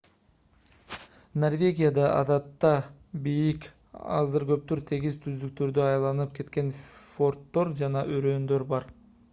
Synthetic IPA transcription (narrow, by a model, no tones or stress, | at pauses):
no̞rvʲe̞ɡʲijad̪ɑʔɑ̰d̪ɑt̪ːɑbijik | ɑ̰zɯɾɡø̞p̚t̪yɾt̪ʰe̞ɡizt̪ʰyzd̪yk̚t̪ø̞ɾd̪øɑjlˠɑnɯp̚ke̞t̪ke̞nfo̞rt̪ːo̞ɾd͡ʒɑnɑʔøɾøːnd̪ø̞ɾbɑɾ